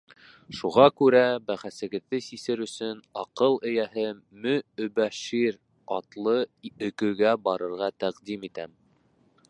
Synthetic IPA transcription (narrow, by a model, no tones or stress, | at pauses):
ʃuʁɑkʉɾæbæχæsɘ̆ɡɘ̆ðːɘsisɘɾɵ̆sɵnɑqɤlˠɘ̆jæɦɘmɵɵ̆bæʃiɾ | ɑt̪lˠɤɵ̆kɵ̆ɡæbɑɾɤ̆ɾʁɑt̪æqd̪imit̪æm